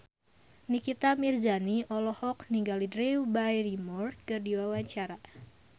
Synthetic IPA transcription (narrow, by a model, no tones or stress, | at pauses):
nikit̪amird͡ʒaniʔɔlɔhɔkniŋɡalidɾiwbajrimɔrkɨrdiwawaɲt͡ʃaɾa